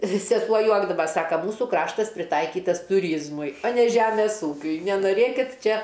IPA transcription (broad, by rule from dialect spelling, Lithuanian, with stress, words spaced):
ʋʲɪˈsʲɪ pɐˈjuɔɡdɐʋɐ ˈsɑːkɐ ˈmuːsʊ ˈkrɑːʃtɐs pʲrʲɪˈtɐɪkʲiːtɐs tʊˈrʲiːzmʊɪ oː nʲɛ ˈʒʲæːmʲɛs ˈuːkʲʊɪ nʲɛnoːˈrʲeːkʲɪt ˈt͡ʃʲɛ